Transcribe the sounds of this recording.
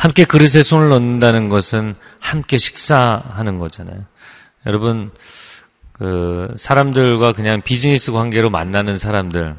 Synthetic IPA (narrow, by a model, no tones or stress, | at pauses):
hamk͈e̞kɯɾɯs̬ʰe̞sʰonɯɭːʌnːɯndanɯnɡʌsʰɯn | hamk͈e̞ɕʰi̥k̚s͈aɦanɯnɡʌd͡ʑana̰jo | jʌɾʌbɯn | kɯsʰaɾamdɯɭɡwakɯɲaŋpid͡ʑinis͈ʰɯkwaŋɡe̞ɾoma̰nːanɯnsʰaɾamdɯɭ